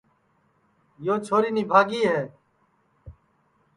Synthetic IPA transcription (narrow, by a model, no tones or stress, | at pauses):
joːt͡ʃʰoːɾiːniːbʱaːɡiːɦɛː